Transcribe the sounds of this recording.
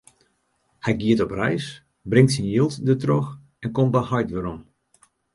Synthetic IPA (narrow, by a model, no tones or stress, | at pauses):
hɛjɡiətɔprɛjs | brɪŋtsinjiəlˠtdətrox | ɛnkɔmbəhɔjtʋəɾɔm